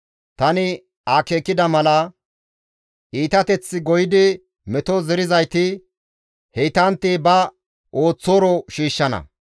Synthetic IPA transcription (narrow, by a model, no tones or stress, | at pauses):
t̪ɐnɪ | aːkeːkːɪd̪ɐmɐlɐ | ʔiːt̪ɐt̪ɛt͡sːɪɡɔjɪd̪ɪ | mɛt̪ɔzɛɾɪzɐjt̪ɪ | hɛjt̪ɐnt̪ːɪbɐ | ʔo̞ːt͡sːoːɾɔʃiːʃːɐnɐ̰